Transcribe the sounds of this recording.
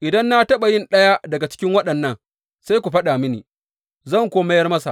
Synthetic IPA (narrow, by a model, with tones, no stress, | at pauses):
ʔɪ˨dɐ˦nːa˦tɐ˦ɓa˨jɪ˦nɗɐ˦ja˦dɐ˨ɡa˨t͡ʃɪ̥˦kʲɪ˦ŋwɐ˦ɗɐ˨nːɐ˦ŋ | sa˦jkʷu˨ɸɐ˦ɗa˨mɪ˦nḭː˨ | zɐ˦˨ŋkʷoː˦mɐ˦jɐ˦rmɐ˦sa̰˨